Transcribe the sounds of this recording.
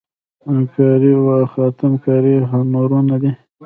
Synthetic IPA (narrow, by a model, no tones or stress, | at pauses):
kɑɾiwaxɑt̪ɪmkɑɾiɦanoɾunad̪i